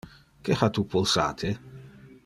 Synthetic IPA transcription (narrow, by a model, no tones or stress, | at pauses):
keħat̪upʰolsa̰ːt̪ʰe